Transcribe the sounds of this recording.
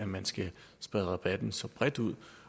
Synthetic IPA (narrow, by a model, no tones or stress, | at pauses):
æmænsɡ̥æ | sb̥ʁɛðˠʁɑb̥æd̥n̩sɒ̽b̥ʁɛd̥uð̰ˠ